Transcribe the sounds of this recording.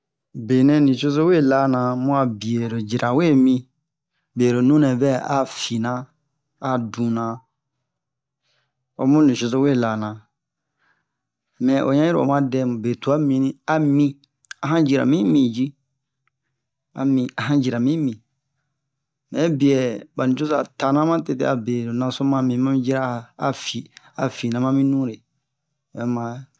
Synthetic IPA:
be˨nɛ̃˧nĩ˨ʃo˦so˦we˦˨la˦nã˨mũ˦a˨bi˨e˨ɾo˨d͡ʒi˨ɾa˨we˦˨mĩ˧ | be˨ɾo˨nũ˦nɛ̃˨bɛ˦a̰˨˦fi˨nã˦ | a˨dũ˨nã˨ | o̰˧mũ˦nĩ˨ʃo˧s̬o˦we˦˨la˨nã˨ | mɛ̃˨ʔo˨˦ɲã˦i˦ɾo˦˨o̰˨m˦ã˦dɛ˧˦mũ˨be˨tu˨˦a˦mĩ˧nĩ˦a˨mĩ˦ | a˨ɦã˦d͡ʒi˨ɾa̰˨mĩ˦mĩ˨d͡ʒi˦ | a̰˨mĩ˨a˨ɦã˦d͡ʒi˨ɾa˨mĩ˦mĩ˨ | mɛ̃˨˦bi˨ɛ˨ba˨nĩ˨t͡ʃo˦sa˨ta˨nã˦mã˦te˦˨tḛ˦a˨be˨do˨nã˨so˦mã˦mĩ˨˦mã˦mĩ˦d͡ʒi˦ɾa˦˨a˨fi˨ | a˨fi˨nã˨mã˦mĩ˦nũ˦ɾe˨ | ɛ˦mã˨˦

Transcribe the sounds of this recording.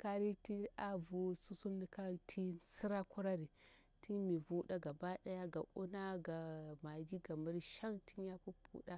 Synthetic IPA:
ka˦ɾi˦ti˦a˦vu˨su˦su˦mni˨ka˦ntʰi˦si˦ɾa˦ku˦ɾa˦ɾi˨ | ti˦mi˨vu˦ɗa˦ɡa˨ba˦ɗa˦ja˦ɡa̰˨ʔṵ˦na˦ɡa˨ma˨ɡi˦ɡa˨mi˦ɾi˦ʃa˦ŋtʰi˦n˦ja˦pu˦pṵ˦ɗa˦

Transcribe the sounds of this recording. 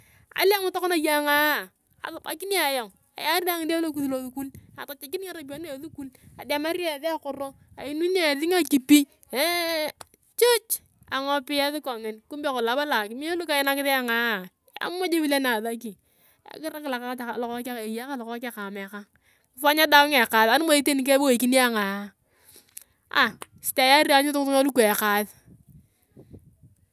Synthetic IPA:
a̰˨˦li˦a˦mʊ˦to˦kɔ˦na˨ja˦ŋa˦˨ | a̰˨ðʊ˨ba̰˨ki˦ni˦a˨jɔ˨ŋ | a̰˨ja˦ɾi˦a˦ŋɪ˨de˦lo˦˨k̬u˨ðlo˦ðu˨˦ku˦la˨ta˨t͡ʃe˨ki˦n˦a˦ɾa˨p̬o˦ne˦e˨ðu˦ku˦la˨de˨ma˦ɾa˦˨ði˦a˦˨kʊ˨ɾo˦ | a˨i˨˦nu˦n˦a˨ðɪ˦ŋa˨ki˨pi˦ | t͡ʃo˦t͡ʃ | a˨ŋɔ˨pɪ˦ja˦ðɪ˦kɔ˨ŋɪ˨nku˦mbe˦kɔ˨la˨˦ba˦la˨ki˨mi˦a˦lu˦ka˨jɪ˦na˦kɪ˦ðɛ˦a˦ŋa˦˨ | a̰˦mo˦d͡ʒe˦bi˦le˦na˨ða˦ki˨ | a̰˨kɪ˦ɾa˦kɪ˨la˨ka˦ta˨a˨lɔ˨kɔ˦ka˦ke˨ja˦ka˦lɔ˨kɔ˦ka˦ka˨mɛ˨ka˦ŋ˦ | fa˦ɲa˦da˦kŋɛ˨ka˨ða˨˦nu˦mo˨e˦te˦ni˨˦k̬e˦bo˦i˨ki˦ni˦a˦ŋa˨˦ | a̰˨ | sta˨ja˦ɾi˦a˨˦ɲʊ˦tʊ˦tu˦ŋa˦lu˦kʷɛ˨ka˨ð

